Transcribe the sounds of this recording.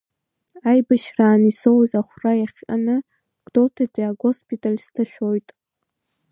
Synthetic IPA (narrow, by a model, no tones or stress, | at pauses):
ajbaʃraːnisowzaχʷrajaχʲʼa̰nɨ | ɡ̥dotʰadiaɡospʰʼitʼalistʰaʃᶣojtʼ